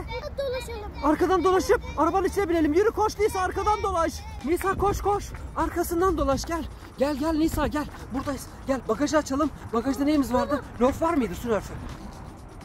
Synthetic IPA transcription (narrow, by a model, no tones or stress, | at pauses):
d̪oaʃˠaɾkad̪and̪o̞lˠaʃɯp̚aɾabanit͡ʃʰlʲebilʲe̞lʲimjyɾykʰoʃniːsaːɾkad̪and̪o̞lˠaʃ | nisaːkʰo̞ʃkʰoʃaɾkʰasɯnd̪and̪o̞lˠaʃɟælʲ | ɟælʲɟælʲnisaːɟælʲbuɾd̪as | ɟælʲbakaʒaːt͡ʃʰalˠɯmbakaʒd̪anejimizvaɾd̪ɯlʲofvaɾmɯjd̪ɯsynøɾfy